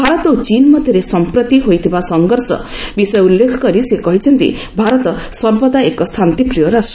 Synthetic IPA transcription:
bʱaɾɔt̪ɔɦut͡ʃinmɔd̪ʱjɔɾesɔmpɾɔt̪iɦojt̪ʰibasɔŋɡɔɾsɔ̰ | bisɔjɔulːekʰɔkɔɾisekɔɦit͡ʃʰɔnt̪ḭ | bʱaɾɔt̪ɔ | sɔmpɔd̪aekɔsʰant̪ipɾijɔɾasʈ

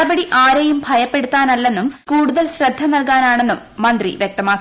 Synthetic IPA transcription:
ɐbɐɽiʔaːɾɐjumbʱɐjɐpːe̞ɽut̪ːaːnɐlːe̞nːumkuːɽuðɐlɕrɐd̪ʱːɐnɐlkaːnaːɳe̞nːumːɐnd̪rḭʋjek̚t̪ɐmaːk

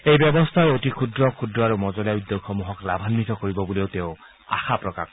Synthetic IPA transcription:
ejbjɔbɔst̪ʰaeotikʰud̪ɾɔkʰud̪ɾɔaɾumɔzɔljaud̪joxɔmuɦɔklabʱanːit̪ɔkoɹibɔbuleʊt̪eʊ | a̰xʰapɹɔka̰k

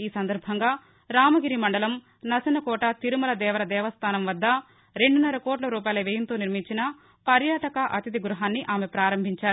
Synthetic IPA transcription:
iːsɐnd̪ɐɾbʱɐŋɡaː | ɾaːmɐɡiɾimɐɳɖɐlɐm | nɐsɐnɐkɔːʈɐt̪iɾumɐlɐd̪ɛːʋɐɾɐd̪ɛːʋɐst̪ʰaːnɐmʋɐd̪ːɐ | ɾe̞ɳɖunːɐɾɐkoːʈlɐɾuːp̬aːjlɐʋejɐnt̪o̞ːniɾmiɲt͡ʃinɐ | pɐɾjaːʈɐkɐʔɐt̪id̪iɡɾuɦaːnːiʔaːmepɾaːɾɐmbʱiɲt͡ʃaːɾu

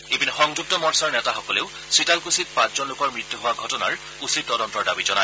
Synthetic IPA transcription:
ebinxɔŋd͡ʒuk̚tɔmɔɹsaɹnɛtaxɔkɔleʊ | sɹitalkusit̚pãszɔnlʊkɔɹmɹit̪ːuɦʊwaɡʱɔtɔna̰ɹ | usit̚tɔdɔntɔɹdabizɔnaj

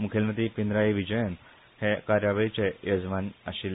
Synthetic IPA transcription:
mukʰelmət̪ipind̪ɾaiʋid͡ʑəjən | hekaɾjaʋəit͡ɕejəd͡zʋãnaɕil

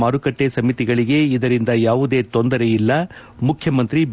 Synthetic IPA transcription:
aːɾukɐʈːe̞sɐmit̪iɡɐɭiɡe̞id̪ɐɾind̪ɐjaːʋud̪e̞ːt̪ond̪ɐɾe̞jilːɐ | mukʰjɐmɐnt̪ɾi

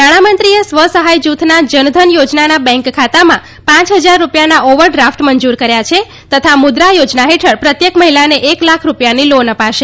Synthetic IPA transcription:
naɽ̃amənt̪ɾiəsʋəsəɦajd͡ʒut̪ʰnad͡ʒənd̪ʱənjod͡ʒnanabɛ̃ŋkkʰːat̪amã | pãt͡ʃɦəd͡ʒaɾːupjanaʔoʋəɾɖɾafʈməɲd͡ʒuɾkəɾjat͡ʃʰe | t̪ət̪ʰamʊd̪ɾajod͡ʒnaɦeʈʰəɾpɾət̪jəkməɦilaneʔeklakʰɾupjanilonəpaʃe

